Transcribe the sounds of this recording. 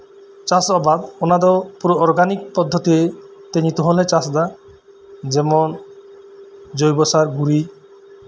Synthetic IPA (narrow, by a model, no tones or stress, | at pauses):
t͡ʃasɔbad̪ɔnad̪ɔpuɾɔːɾɡanik̚pɔd̪ʱːɔt̪iet̪eɲit̪ɔɦolet͡ʃasd̪a | d͡ʒemɔn | d͡ʒojbɔsaɾɡuɾi